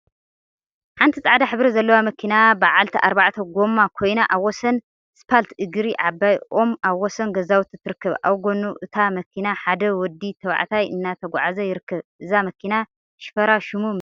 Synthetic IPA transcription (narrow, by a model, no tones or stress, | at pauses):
ħant̪ʰit͡sʼaʕd̪aħɨβɾɐzɐlːɐwamɐkʰinabaʕalt̪ʰɐʔaɾbaʕt̪ʰɐɡo̞mːakʰo̞jnaʔaβɔsɐn | spʰalt̪ʰɨɡɾiʔabajo̞maβːɔsɐnɡɐzawut̪zɨt̪ʰːɨɾɨkːɐβʔa̰wɡonuʔɨt̪ʰamɐkʰinaħad̪ɐwɔd̪ːit̪ʰɐwa̰ʕt̪ʰajʔɨnːat̪ʰɐɡʷa̰ʕazɐjɪɾɨkːɐβʔɨzamɐkʰina | ʃɪ̥fɐɾaʃumu